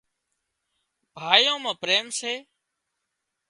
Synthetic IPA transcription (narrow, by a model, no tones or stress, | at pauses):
bʱaːjõːmãːpɾeːmseː